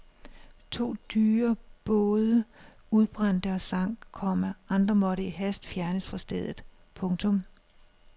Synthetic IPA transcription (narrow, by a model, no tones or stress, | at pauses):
t͡sʰo̝̰ːd̥yːɐb̥ɔ̽ːð̞ˠə | uð̞ˠb̥ʁɑ̈n̰d̥əɒ̽sɑ̈ŋ̰kʰɒ̽m̰æɑ̈nd̥ʁɐmɒ̽ɾəiɦæsd̥fjæɐnəsfʁɑ̈sd̥eð̞̰ˠð̩ˠ | pʰɔ̽ŋt͡sʰɔ̽m